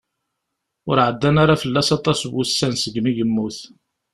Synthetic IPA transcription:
ʊɾʕəd̪ːænaɾɑfəlːæsɑt̪ˤɑsvusːænsəɡmiʝəmːuθ

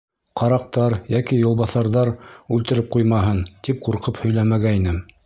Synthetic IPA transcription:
qʰɑɾɑq̚t̪ɑɾjækijŏlˠβɑθɑɾðɑɾʉlt̪ɘ̆ɾɘp̚qujmɑɦɤnt̪ip̚quɾqɤphɵ̆jlæmæɡæinɘm

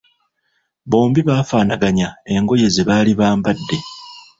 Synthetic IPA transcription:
βo̞ːmbiβaːfaːnaɡaɲae̞ŋɡo̞je̞zeβaːliβaːmbadːe̞

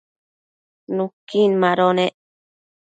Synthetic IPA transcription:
nũkːinmãɾoneʔ

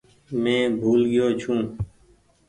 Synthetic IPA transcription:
mẽːbʱuːlɡɪjoːt͡ʃʰũː

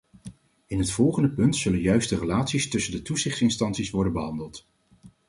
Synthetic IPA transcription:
ɪnɦətfɔlˠχəndəpɵntsɵlənjœɥstərelaːtsistɵsəndətuzɪχtsɪnstɑnsisʋɔɹdənbəɦɑndəlˠt

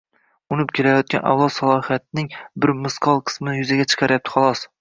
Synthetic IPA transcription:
ʊnɪpkʲʰelajɒt̪̚kʲanʔa̰wlˠɒt̪salˠɒhijat̪̚nɪŋbɪɾmɪsqʰɒlˠqʰɨ̥smɪnɪjʊzaɡʲat͡ʃʰɨ̥qʰɑɾɪjap̚t̪ʰɪ̥χɒlˠɒs

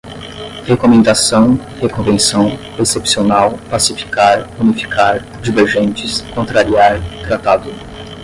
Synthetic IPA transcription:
hekomẽnd̪asɐ̃w̃ | hekõvẽsɐ̃w̃ | esepsionawpasifi̥kaɾunifi̥kʰaɾ | d͡ʒiveɾʒẽnt͡ʃɪskõnt̪ɾaɾiaɾt̪ɾat̪ad̪ʊ

